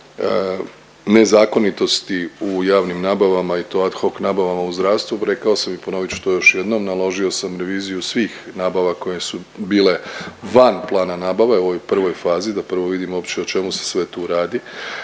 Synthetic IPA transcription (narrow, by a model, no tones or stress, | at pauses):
ne̞zaːko̞nit̪o̞st̪iujaːʋnimnaːbaʋamait̪o̞at̪xo̞knaːbaʋamauzd̪ɾaːʋst̪ʋuɾe̞kao̞samipono̞ʋit͡ʃu̥t̪ojo̞ʃje̞d̪no̞mnalˠo̞ʒio̞samɾe̞ʋiːzijusʋiːxnaːbaʋako̞jesubiːle̞ʋanplˠaːnanaːbaʋaeʋojupr̩ʋo̞jfaːzid̪apr̩ʋo̞ʋid̪imo̞pt͡ʃeot͡ʃe̞muse̞̥sʋe̞t̪uːɾaːd̪i